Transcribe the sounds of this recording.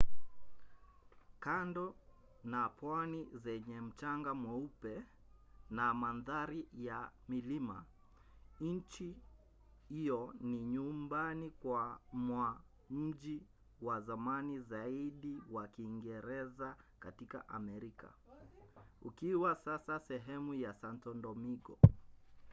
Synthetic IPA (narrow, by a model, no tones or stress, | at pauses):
kandɔ | napwanizɛɲɛm̩t͡ʃaŋɡamwɛupɛ | namanðaɾijamilima̰ | ɲ̩t͡ʃi | hijɔniɲumbanikwamwa | m̩ʄi | wazamanizaiɗiwakiːŋɡɛɾɛzakatika̰ʔamɛɾika̰ | ukiwasasasɛɦɛmujasantɔndɔmiɡɔ